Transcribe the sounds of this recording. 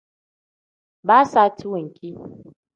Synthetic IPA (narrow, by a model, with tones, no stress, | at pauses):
baː˦sa˦˨ti˦wʊ˨ŋkʲʼiː˦